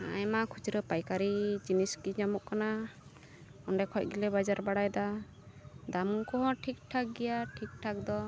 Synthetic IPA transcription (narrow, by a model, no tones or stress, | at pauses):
a̰jmakʰut͡ʃɾɔpajkaɾid͡ʒiniskiɲamɔʔkana | ɔɳɖɛkʰɔc̚ˀɡilɛbad͡ʒaɾbaɽajd̪a | d̪amukɔɦɔ̃ʈʰik̚ʈʰak̚ɡɛjaʈʰik̚ʈʰak̚d̪ɔ